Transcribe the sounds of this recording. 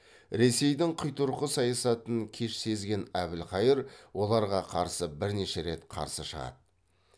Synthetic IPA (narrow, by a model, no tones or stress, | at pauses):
ɾe̞se̞jd̪ɪɴqʰʊjt̪ʊɾqəsɑjɑsɑt̪əŋkʲʰe̞ʃse̞zɡʲe̞næbɪlqɑjəɾwo̞lˠɑɾʁɑqʰɑɾsəbɪɾne̞ʃe̞ɾe̞t̪qʰɑ̰ɾsəʃəʁɑ̰d̪̥ə